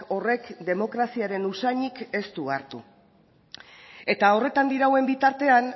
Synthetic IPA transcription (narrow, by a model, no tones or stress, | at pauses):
o̞re̞kd̪e̞mo̞kɾasiaɾe̞nusaɲike̞st̪uaɾt̪ṵ | e̞t̪ao̞re̞t̪and̪iɾawe̞mbit̪aɾt̪e̞an